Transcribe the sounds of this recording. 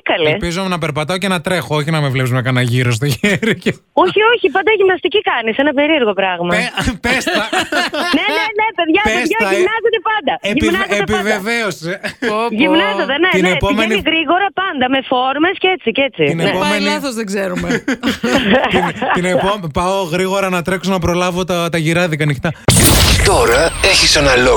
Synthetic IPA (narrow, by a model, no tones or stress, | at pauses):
kɐlepizumnɐpeɾpɐt̪ɐoce̞nɐt̪ɾe̞xooçinɐmevlepsumekɐnɐʝiɾos̬t̪oʝeɾice | o̞çio̞çipɐnd̪ɐʝimnɐst̪icikɐnisenɐpeɾie̞ɾɣo̞pɾɐɣmɐpest̪ɐnenenepeðʝɐesðʝɐmnɐzet̪epɐnd̪ɐeʝimnɐzeet̪epiɐveveoseʝimnɐzot̪eneinnepomeniiɣɾiɣo̞ɾɐpɐnd̪ɐme̞fo̞ɾme̞scet͡sice̞t͡siinepomenθozðeɡzeɾume | t̪inepompɐoɣɾiɣo̞ɾɐnɐt̪ɾe̞ksonɐpɾo̞lɐvot̪ɐt̪ɐʝiɾɐðikɐnixt̪ɐt̪oɾɐeçisenɐlo